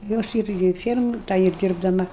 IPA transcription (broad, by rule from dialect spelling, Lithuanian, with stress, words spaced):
jɛʊ ˈɐʃ ˈɪrʲɡʲɪ ɪr ˈfʲiɛrmoːj ˈtɐ ɪr dʲɪrbdɐˈmɐ